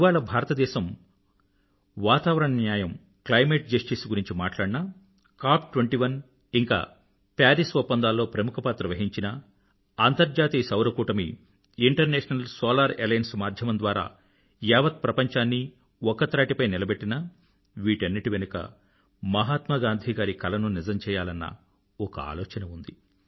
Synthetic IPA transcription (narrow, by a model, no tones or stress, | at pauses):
ʋaːɭɐbʱaːɾɐt̪ɐd̪ɛːʃɐm | ʋaːt̪aːʋɐɾɐɳɐnjaːjɐm | klɐjmeːʈ̚d͡ʒɐsʈisɡuɾiɲt͡ʃima̰ːʈlaːɽinɐ | kaːpʈʋeɳʈiːʋɐn | iŋka̰ː | paːɾisʋopːɐnd̪aːlːo̞ːpɾɐmukʰɐpaːt̪ɾɐʋɐɦiɲt͡ʃinɐ | ɐnt̪ɐɾd͡ʒaːt̪iːsɐwɾɐkuːʈɐmḭː | ɳʈɐɾnɛːʂɐnɐlsoːlaːɾelɐjɐnsmaːɾd̪ʱjɐmɐnd̪ʋaːɾa̰ː | jɛːʋɐt̪̚pɾɐpɐɲt͡ʃaːnːi | ɔkɐt̪ɾaːʈipɐjnilɐbeʈːinɐ | ʋiːʈɐnːiʈiʋenukɐ̰ | mɐɦaːt̪mɐɡaːnd̪ʱiːɡaːɾikɐlɐnunizɐmt͡ʃɛːjaːlɐnːɐ̰ | ɔkɐa̰ːloːt͡ʃɐnɐund̪i